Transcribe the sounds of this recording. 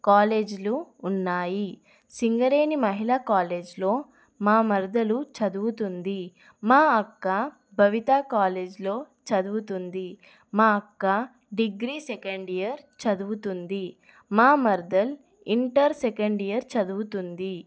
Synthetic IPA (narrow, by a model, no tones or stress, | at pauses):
kaːleːd͡ʒluːnːaːji | siŋɡɐɾeːnimɐɦilaːkaːle̞ːd͡ʒlo̞ː | maːmɐɾd̪ɐlut͡ʃɐd̪uwut̪und̪i | maːɐkːa | bʱɐʋit̪aːkaːle̞ːd͡ʒlo̞ː | t͡ʃɐd̪uwut̪und̪i | maːɐkːa | ɖiɡɾiːsekɐɳɖijɐɾt͡ʃɐd̪uwut̪und̪i | maːmɐɾd̪ɐl | iɳʈɐɾsekɐɳɖijɐɾt͡ʃɐd̪uwut̪und̪i